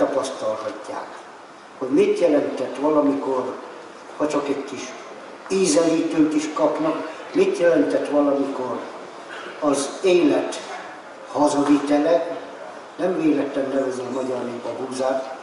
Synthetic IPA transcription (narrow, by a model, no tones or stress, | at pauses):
t̪ɒpɒst̪ɒlhɒcːa̰ːk | ho̞ɟmit̪jɛlɛnt̪ɛt̪ʋɒlɒmikor | hɒt͡ʃɒkɛckiʃ | iːzɛliːt̪øːk̪iʃkɒpnɒk | mit̪jɛlɛnt̪ɛt̪ʋɒlɒmikor | ɒzeːlɛt̪ | hɒzɒdit̪ɛlɛ | nɛmveːlɛt̪ːɛnːɛvøzøːmɒɟɒrneːpɛɦuːzaːt̪